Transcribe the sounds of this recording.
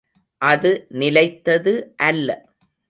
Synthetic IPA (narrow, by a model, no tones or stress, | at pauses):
ʔɐðɯnɪlɐɪt̪ːɐðɯʔɐlːɐ